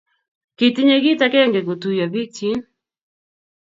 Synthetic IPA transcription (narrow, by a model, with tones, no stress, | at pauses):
ki˨tɪ˦ɲe˦ɡi˦ta˦kɛ˦ŋɡɛ˨ko˨tu˨ja˨vi˦t͡ʃi˦n